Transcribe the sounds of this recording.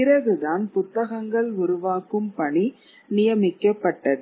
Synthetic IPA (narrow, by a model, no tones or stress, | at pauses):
ɪɾɐɣɯðaːnpʊt̪ːɐɣɐŋɡɐɭʊɾʊʋaːkɯmpɐɳi | nɪjɐmɪkːɐpːɐʈːɐðɯ